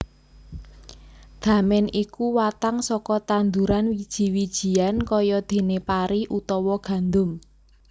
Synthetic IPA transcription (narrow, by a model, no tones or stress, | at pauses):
d̪̥ä̤mɛnikuwat̪aŋsɔkɔt̪and̪uɾanwid̥ʒ̥i̤wid̥ʒ̥i̤ankɔjɔd̪̥e̤nepaɾiʔut̪ɔwɔɡ̥a̤nd̪ʊm